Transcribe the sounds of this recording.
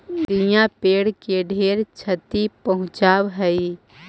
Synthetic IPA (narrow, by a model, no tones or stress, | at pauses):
d̪ijãpeːɽkeɖʱeːɾt͡ʃʰət̪ipɐɦʊ̃t͡ʃaːwɦɛi